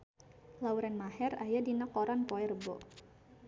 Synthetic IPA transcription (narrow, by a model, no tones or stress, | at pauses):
lauɾɛnmahɛrajadinakoɾanpɔɛrəbɔ̰